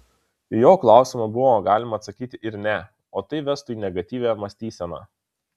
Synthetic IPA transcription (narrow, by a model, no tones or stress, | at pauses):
joːklˠɑˑʊsʲɪmɐbʊʋoɡɑːlʲɪmɐːt̪sɐkʲiːt̪ʲɪʔɪɾnʲɛ | oːt̪ɐɪʋʲɛst̪ʊiːnʲɛɡɐt̪ʲiːʋʲæmɐsʲt̪ʲiːsʲɛnɑ̰ː